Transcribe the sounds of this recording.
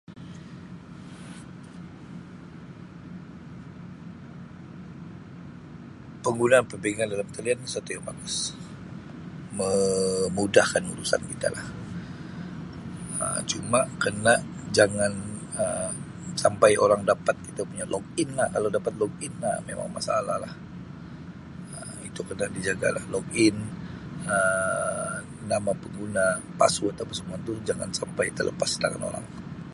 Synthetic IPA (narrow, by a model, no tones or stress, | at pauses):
pəŋɡunaːnpəbeɡandalamt̪aliansət̪ujaŋbaɡəs | məmudahkanṵɾusa̰nkit̪a̰la̰h | ə̰t͡ʃumakənaʔ | d͡ʒaŋan | ə | sampajʔoɾaŋdapat̪̚kit̪apuɲalɔɡɪnlahkalawdapat̪̚lɔɡ̚ɪnːa̰mema̰ŋma̰salahlah | ə | it̪ukərnaʔdid͡ʒaɡa̰lahlɔɡɪn | ə | namapəŋɡunapa̰suat̪apasəmuant̪ud͡ʒaŋa̰nsampajt̪əlʔə̰past̪a̰ŋa̰no̰ɾa̰ŋ